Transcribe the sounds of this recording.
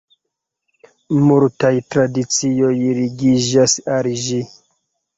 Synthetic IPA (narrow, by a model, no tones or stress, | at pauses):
muɾtajtɾadit͡sio̞jɾiɡid͡ʒasalʒi